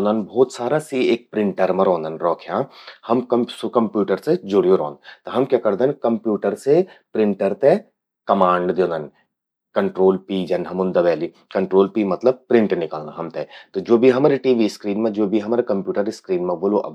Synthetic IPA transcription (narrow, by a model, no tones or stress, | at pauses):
nd̪ənbʱɔːt̪saːɾasieːk̚pɾɪ̃ɳʈəɾmẽɾɔ̃ːnd̪ənɾɔːkʰjãːhɐmkɐmsokɐmpjuːʈəɾsed͡ʒʊɽjoɾɔ̰̃ːnd̪t̪ɐɦɐmkjaːkɐɾd̪enkɐmpjuːʈəɾse | pɾɪ̃ɳʈəɾt̪e | kɐmãːɳɖd̪ẽːnd̪ən | kɐɳʈɾoːlpiːd͡ʒɐnɦɐmʊnd̪ɐʋɛːli | kɐɳʈɾoːlpiːmɐt̪ləb̚pɾɪ̃ɳʈnɪkaːlnaɦɐmt̪et̪od͡ʒoːbʱiɦɐmaːɾiʈiːʋiskɾiːnmẽd͡ʒoːbʱiɦɐmaːɾekɐ̃mpjuːʈəɾiskɾiːnmẽboːloʔɐ̰b